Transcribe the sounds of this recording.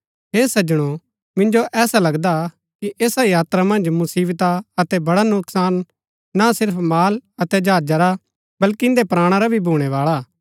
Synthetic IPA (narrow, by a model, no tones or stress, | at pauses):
ɦeːsɐd͡ʒɽ̃o | mɪ̃nd͡ʒoʔɛːsalɐɡd̪a | kiʔeːsajaːt̪ɾamɐ̃nd͡ʒmʊsiːbt̪aɐt̪ɛbɐɽanʊksaːnː | asɪɾpʰmaːlɐt̪ɛd͡ʒaːd͡ʒaɾa | bɐlkiɪ̃nd̪epɾaːɽ̃aɾabʱibʱuːɽ̃ɛʋaːɭa